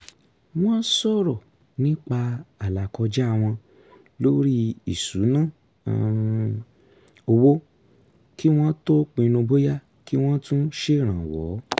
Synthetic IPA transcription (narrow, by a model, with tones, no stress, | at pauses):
w̃ɔ̃˦sɔ˦ɾɔ˨ | nĩ˦k͡pa˧a˨la˨kɔ˧d͡ʒa˦a˧w̃ɔ̃˧ | lo˦ɾi˦i˨su˨˦nã̰˦˨ | o˧wo˦ | ki˦w̃ɔ̃˦to˦k͡pĩ˧nũ˧bo˦ja˦ | ki˦w̃ɔ̃˦tũ˦ʃe˦˨ɾ̃ã˨wɔ̰˨˦